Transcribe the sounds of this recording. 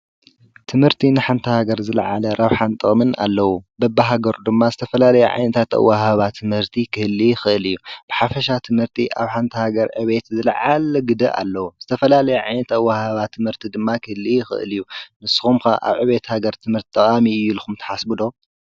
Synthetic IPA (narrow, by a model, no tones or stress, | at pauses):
t̪ʰɨmhɨɾt̪ʰinɨħant̪ʰɐhaɡɐɾzɨlʕalɐɾʔaβħant̪ʼɨχʼmɨna̰lːɐwubɐbːaɦaɡɐɾud̪ɨmːazɨt̪ʰɐfɐlalɐjɛʕa̰jnɐt̪ʰat̪ɐ̰wːaɦaβat̪ʰːɨmhɨɾt̪ʰikʰɨhɨlːijɪxɨʔɨlɨjːub̥ɨħafɐʃat̪ʰɨmhɨɾt̪ʰiʔaβħant̪ʰɐhaɡɐɾʕɨβe̞t̪zɨlʕalɡɨd̪ɐʔa̰lːɐwuzɨt̪ʰɐfɐlalɐjɛʕajnɐt̪ɐwːahaβat̪ʰːɨmhɨɾt̪ʰid̪ɨmːakʰɨhɨlːixɨ̰ʔɨ̰lɨjːunɨsɨ̥xumkɐʔa̰βʕɨβe̞t̪haɡɐɾt̪ʰɨmhɨɾt̪it̪ʼːɐχʼamiɨjːulɨxumt̪ʰɐ̥ħasbɨd̪o